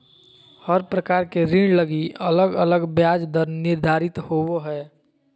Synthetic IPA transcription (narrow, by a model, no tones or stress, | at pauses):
həɾpɾəkaːɾkeɾɪ̃ɳɖləɡiələɡələɡbjaːd͡ʒd̪əɾnɪɾd̪ʱaːɾɪt̪howɦɛː